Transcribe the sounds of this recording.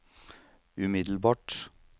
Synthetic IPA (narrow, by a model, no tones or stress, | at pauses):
ʉmɪd̪l̩bɑːʈ